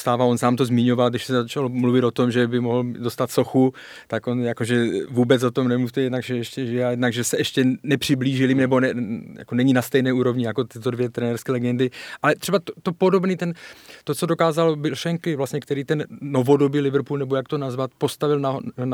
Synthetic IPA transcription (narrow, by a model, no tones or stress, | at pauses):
st̪aːvaonsaːmt̪o̞zmɪɲo̞valɡdɪʃsɛzat͡ʃalomluvɪt̪o̞t̪o̞mʒɛbɪmoɦl̩do̞st̪at̪so̞xu | t̪ako̞njako̞ʒɛvuːbɛt͡sot̪o̞mnɛmuft̪ɛjɛdnaɡʒɛɛʃcɛʒɪjajɛdnaɡʒɛsɛɛʃcɛnɛpr̝̥ɪbliːʒɪlimnɛbo̞nɛja̰konɛɲinast̪ɛjnɛːuːɾo̞vɲɪjako̞t̪ɪt̪odvjɛt̪ɾɛnɛːɾskɛːlɛɡɛndɪʔalɛt̪r̝ɛbat̪ot̪opo̞do̞bniːt̪ɛnt̪ot͡so̞do̞kaːzalbɪlʃɛŋkɪvlasɲɛkt̪ɛɾiːt̪ɛnːo̞vo̞do̞biːlɪvɾpuːlnɛbo̞jakt̪onazvat̪̚po̞st̪avɪlna